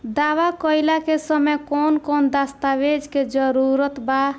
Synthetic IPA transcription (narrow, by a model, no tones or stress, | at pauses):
d̪awakəjlakesəmekonkond̪ast̪abed͡ʒked͡ʒəɾuɾət̪ba